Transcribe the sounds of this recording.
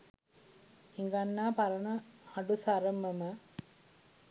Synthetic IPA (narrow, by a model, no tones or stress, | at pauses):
hiŋɡanːaːpaɾənəhaɖusaɾəməmə